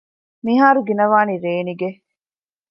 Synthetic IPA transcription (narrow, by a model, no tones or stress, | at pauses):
miɦaːɾuɡinɐʋaːniɾeːniɡe